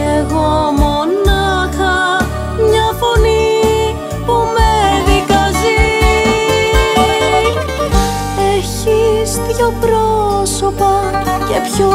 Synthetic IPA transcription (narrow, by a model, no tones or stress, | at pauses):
eɣomonɐxɐ | mɲɐfoni | pumeðikɐzi | eçistçopɾoso̞pɐce̞pço